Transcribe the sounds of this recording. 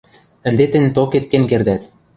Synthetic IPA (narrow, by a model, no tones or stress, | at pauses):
ɘ̆nd̪et̪ɘ̆nʲt̪oket̪̚kenʲkerd̪æt̪